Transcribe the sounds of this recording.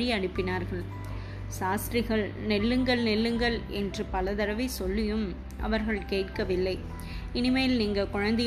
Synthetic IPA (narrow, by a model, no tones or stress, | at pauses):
ɻɪiɐɽɪpːɪnaːɾɣɐɭ | saːst̪ɾɪɣɐɭnɛlːɯŋɡɐɭnɛlːɯŋɡɐɭɛ̰ndrɯpɐlɐðɐɾɐʋɪɪsɔɭːɪjɯm | ʔɐ̰ʋɐɾɣɐɭkeːʈkɐʋɪlːɐɪ | ɪnɪmɐjlniːŋɡɐkʊɻɐnd̪ɐ